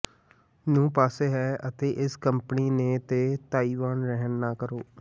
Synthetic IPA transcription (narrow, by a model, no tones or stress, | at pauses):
nũːpaːseːɦɛːʔət̪eːʔɪskəmpəniːneːt̪eːt̪aːiːʋaːnɾɛɦənːaːkəɾoː